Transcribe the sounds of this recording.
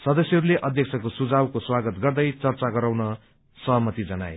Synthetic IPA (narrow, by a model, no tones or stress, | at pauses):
sʌd̪ʌsjʌɦʌɾuleʔʌd̪ʱjʌksʰʌkosud͡zawkoswaɡʌt̪ɡʌrd̪ʌjt͡sʌrt͡saɡʌɾawnʌ | sʌɦʌmʌt̪id͡zʌna̰e